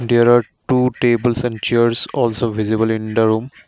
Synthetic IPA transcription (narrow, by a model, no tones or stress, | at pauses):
ɖiɾaʈuːʈeːbəlsɛ̃ɳɖt͡ʃiəɾsɔːlsoʋizibəlĩnd̪əɾũːm